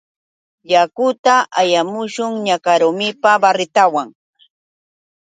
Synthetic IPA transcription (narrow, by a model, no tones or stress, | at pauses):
jakʊt̪aʔajamʊʃʊŋɲakaɾʊmɪpabaɾɪt̪awaŋ